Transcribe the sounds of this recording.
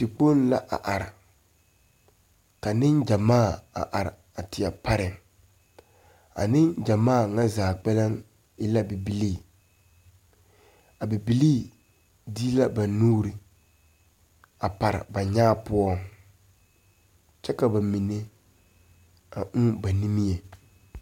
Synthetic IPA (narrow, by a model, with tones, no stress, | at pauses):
ti˨k͡po˦n˦la̰˦ʔa̰˨ʔa˨ɾɪ˨ | ka˨nɪ˦ŋd͡ʒa˨maː˦˨a̰˨ʔa˨ɾɪ̰˨ | a˨tɪ˨a˨pa˦ɾɪ˨ŋ | a̰˨nɪ˦ŋd͡ʒa˨maː˦˨ŋa˦zaː˨k͡pɛ˦lɪ˦ŋ | ɪ˦la˦bi˨bi˨liː˦˨ | a˨bi˨bi˨liː˦˨ | diː˦la˦ba˨nuː˦ɾi˨ | a˨pa˨ɾɪ̰˨ba˨ɲaː˦pʊ˦ɔ˦ŋ | t͡ʃɛ˦ka˨ba˨mi˨ne˦ | a˨ʔʊ˦ba˨ni˦mi˦e˨